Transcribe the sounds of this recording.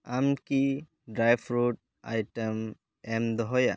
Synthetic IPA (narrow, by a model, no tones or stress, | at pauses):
amki | ɖɾajbʰɾuʈ̚ | a̰jʈəm | ɛmd̪ɔɦɔja̰